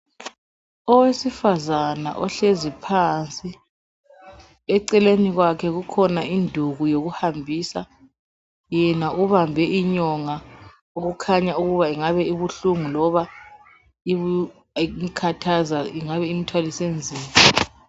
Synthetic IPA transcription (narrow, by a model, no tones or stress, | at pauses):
ɔwesifazana̰ʔɔɬezipʰant͡sʼi | ɛǀɛleniɣwakʰɛɣukʰɔnaindʱuɣujoɣuhambʱisa | jɛnauβambʱɛʔiɲɔŋa | oɣukʰaɲauɣuβaiŋaβɛiβuɬuŋulɔβa | iβu | kʰatʰazaiŋaβɛimitʰwalisend͡zʱiːma